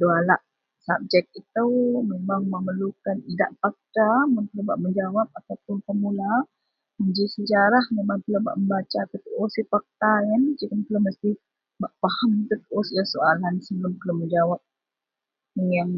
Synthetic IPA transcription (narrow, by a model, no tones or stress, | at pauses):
dualaʔ | sap̚d͡ʒɛk̚it̪əwmemaŋməməlukanida̰ʔfak̚t̪amənkəlaba̰ʔməɲd͡ʒawap̚at̪apʊnt̪əmula | məɲd͡ʒisəd͡ʒaɾahmemaŋpəlaba̰ʔməmbat͡ʃaːt̪at̪uʔosifak̚t̪ajand͡ʒəkəmkələməst̪ih | baʔpahamit̪ut̪əʔosilasoalansəbələmkələməɲd͡ʒawap̚ | əŋan